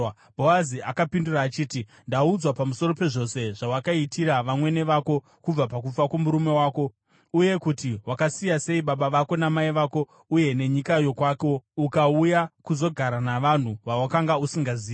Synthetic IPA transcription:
bʱo̞aziakapinduraːt͡ʃiːti | ndaud͡zwapamuso̞ro̞pe̞ʐo̞se̞ʐawakaitiɾaʋamwe̞ne̞ʋako̞ | kub͡vapak̬ufakwomuɾume̞waːko̞ | uje̞kutiwakasijase̞iɓaɓaʋako̞namaiʋako̞ | uje̞ne̞ɲikajo̞kwaːko̞ukaujakuzo̞ɡʱaɾanaʋan̤uʋawakaŋɡausiŋɡaziː

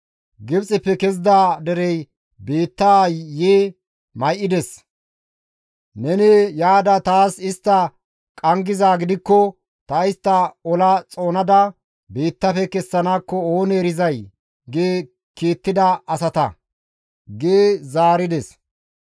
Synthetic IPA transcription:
ɡɪbt͡sʼɪpːɛkɛzd̪aːd̪ɛɾɛj | be̞ːt̪ːaːjeː | mɐjʔɪd̪ɛs | nɛnɛjaːd̪ɐt̪aːsɪst̪ːɐ | kʼɐŋɡɪzaːɡɪd̪ɪkːɔ | t̪ɐɪst̪ːɐɔlɐt͡sʼo̞ːnɐd̪ɐ | be̞ːt̪ːɐfɛkɛsːɐnaːkːɔoːneːɾɪzɐj | ɡeː | keːt̪ːɪd̪ɐɐsɐt̪ɐ | ɡeːzaːɾɪd̪ɛs

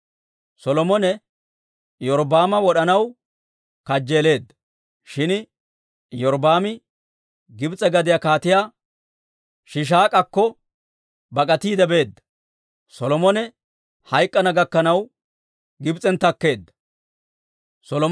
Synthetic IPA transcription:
sɔlɔmɔnɛ | jɔɾbaːmɐwɔɗɐnɐw | kɐd͡ʒːeːle̞ːd̪ːɐ̥ | ʃɪn | jɔɾbaːmɪ | ɡɪbt͡sʼɛɡɐd̪ɪjɐkaːt̪ɪjaː | ʃɪʃ̬aːkʼɐkːɔ | bɐkʼɐt̪iːd̪ɛbe̞ːd̪ːɐ̥ | sɔlɔmɔnɛ | hɐjkʼːɐnɐɡɐkːɐnɐw | ɡɪbt͡sʼːɛnt̪ːɐkːe̞ːd̪ːɐ̥ | sɔlɔ

